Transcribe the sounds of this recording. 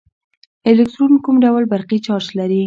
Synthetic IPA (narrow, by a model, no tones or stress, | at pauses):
ɪlɪk̚ʈɾunkumɖawlbaɾqit͡ʃɑɾʃlaɾi